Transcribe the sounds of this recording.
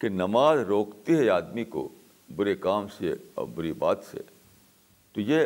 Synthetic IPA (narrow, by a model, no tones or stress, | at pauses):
kenɐmaːzɾoːkt̪iɦɛaːd̪miko̰ | bʊɾekaːmseḛɔ̰bʊɾiba̰ːt̪sḛ | t̪oje